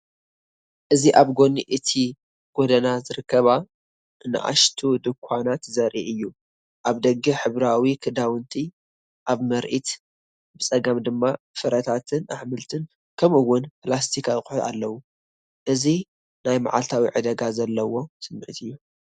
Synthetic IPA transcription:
ʔɨziʔaβɡo̞niʔɨt̪ʰi | ɡ̥o̞d̪ɐnazɨɾɨkːɐβa | nɨ̰ʔa̰ʃt̪ʰud̪ɨkʷʰːanat̪zɐɾʔiʔɨjːu | ʔaβd̪ɐɡːɨħɨβɾawikʰɨd̪awɨnt̪ʰi | ʔaβmɐɾʔit̪ | bɨt͡sʼɐɡɐmd̪ɨmːa | fɨɾɐt̪ʰat̪ʰɨnaħmɨlt̪ʰɨn | kʰɐmɨwːʊnplast̪ʰikʰaɨkʼʊ̥ħʊt̪a̰lːɐwu | ʔɨzi | najma̰ʕalt̪ʰawiʕɨd̪ɐɡazɐlːɐwo̞sɨmːʕɨt̪ʰɨjːu

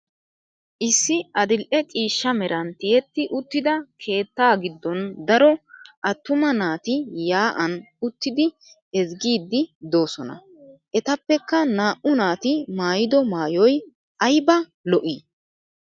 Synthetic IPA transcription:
ʔɪsːɪɐd̪ɪlʔɛt͡sʼiːʃːɐmɛɾʔɐnt̪ɪjɛt̪ːɪʔʊt̪ːɪd̪ɐkʰe̞ːt̪ːaːɡɪd̪ːɔnd̪ɐɾɔʔɐt̪ːʊmɐnaːt̪ɪjaːʔɐn | ʊt̪ːɪd̪ɪ | ɛzɡiːd̪ːɪd̪o̞ːsɔnɐ̰ | ʔɛt̪ɐpːɛkːɐnaːʔʊnaːt̪ɪmaːjɪd̪ɔmaːjɔj | ʔɐjbɐ | lɔʔiː

